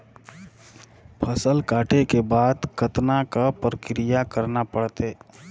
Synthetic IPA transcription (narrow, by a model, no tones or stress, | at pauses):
pʰəsəlkaːʈʰekebaːd̪kət̪nakapɾəkɾɪjakəɾnapəɽt̪e